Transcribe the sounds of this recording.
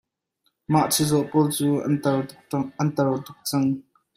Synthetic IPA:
maʔt͡sʰizɔʔpɔːlt͡suːɐn | ɐnt̪ɐrt̪ʊk̚t͡sɐŋ

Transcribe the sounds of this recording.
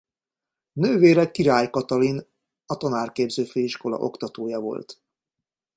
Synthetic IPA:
nøːveːɾɛkːiɾaːjkɒt̪ɒlin | ɒt̪ɒnaːrkeːbzøːføːiʃko̞lɒ̰ʔo̞̰kt̪ɒt̪oːjɒvo̞̰lt̪

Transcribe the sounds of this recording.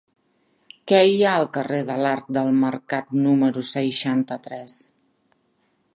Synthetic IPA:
kɛjaəlˠkəreðəlaɾt̪̚d̪əlˠməɾkat̪numəɾusəjʃant̪ət̪ɾɛs

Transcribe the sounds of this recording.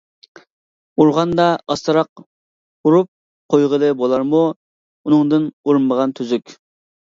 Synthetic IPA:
uɾʁɑnd̪ɑɑst̪ɨɾɑq̚ | buɾup̚ | qʰojʁəlˠɨbolˠɑɾmu | unɨŋd̪ɨnuɾmːəʁɑnt̪ʰyzykʲ

